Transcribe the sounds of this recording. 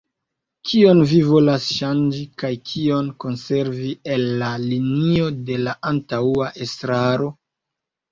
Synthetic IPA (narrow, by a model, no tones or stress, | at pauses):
kʰio̞nvivo̞lasʃand͡ʒikajkʰio̞nko̞nse̞ɾvie̞lːalinio̞de̞laʔantauaʔe̞stɾaɾo̞